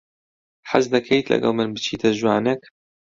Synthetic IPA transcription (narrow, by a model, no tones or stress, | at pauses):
ħa̰zd̪ɐkʰejt̪lɐ̰ɡɐ̰lˠmɨnbɨt͡ʃʰiːt̪ʰɐʒwaːnek